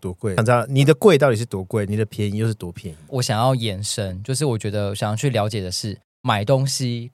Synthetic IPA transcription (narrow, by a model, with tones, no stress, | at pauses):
t̪wɔ˧˦kwe˥˩ɪ˨˩ŋɑ˥˨ni˨˩d̪ə˦kwe˥˧ɪt̪aɑ˥˩ʊti˨˩ʂ̩˥˩t̪wɔ˧˦˥kwe˥˩ɪni˨˩d̪ə˦pʰjɛ˧˦ni˨˦jo˥˧ʊʂɻ̩˥˩t̪wɔ˧˥pʰjɛ˧˦n˨˦wɔ˨˦ɕjɑ˨˩ŋjɑ˥˩ʊjɛ˨˩nʂə˦˥nt͡ɕjo˥˧ʊʂ̬ɻ̩˥˩wɔ˨˩t͡ɕɥɛ˧˥d̪ə˧ɔ˧˩ɕjŋjɑ˥˧ʊt͡ɕʰy˥˩ljɑ˧˥ʊt͡ɕjɛ˨˩d̪ə˩ʂɻ̩˥˩ | ma˨˩ɪt̪o˦˥ŋɕi˦